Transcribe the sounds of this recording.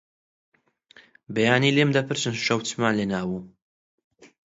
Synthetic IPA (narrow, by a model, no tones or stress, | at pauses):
bejaːnilemd̪ɐpɨɾt͡ʃɨnʃɐwtmaːnlenaːwu